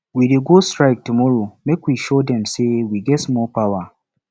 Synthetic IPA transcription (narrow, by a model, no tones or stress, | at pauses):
wideɡostɹaɪk̚tumɔɹomekwiʃodɛ̃msewiɡɛsmɔpawa